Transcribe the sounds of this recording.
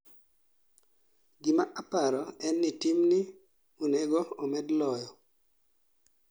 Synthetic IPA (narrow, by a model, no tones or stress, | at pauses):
ɡɪmaʔapaɾɔɛnːitimnɪ | uneɡoɔmɛdlɔjɔ